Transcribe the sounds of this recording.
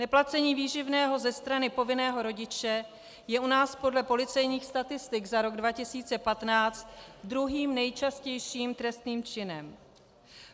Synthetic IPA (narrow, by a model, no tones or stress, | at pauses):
nɛplat͡sɛɲiːviːʒɪvnɛːɦo̞zɛst̪ɾanɪpo̞vɪnɛːɦo̞ɾo̞ɟɪt͡ʃɛ | jɛʔunaːspo̞dlɛpo̞lɪt͡sɛjɲiːxst̪at̪ɪst̪ɪɡzaɾo̞ɡdvacɪsiːt͡sɛpat̪naːt͡st̪d̪ɾuɦiːmnɛjt͡ʃascɛjʃiːmt̪ɾɛst̪niːmt͡ʃɪnɛm